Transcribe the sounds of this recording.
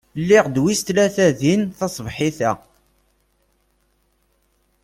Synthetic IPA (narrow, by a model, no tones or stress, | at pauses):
lːɪʁd̪wist̪læθæðinθɑsˤvħiθæ